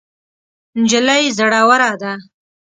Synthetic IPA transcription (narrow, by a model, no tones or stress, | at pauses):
nd͡ʒɪlajzaɽawaɾad̪a